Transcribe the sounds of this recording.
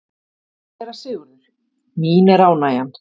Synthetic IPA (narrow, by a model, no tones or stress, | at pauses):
ɛɾasɪːɣʏɾʏɾ̥ | miːnɛɾaːwnaːjan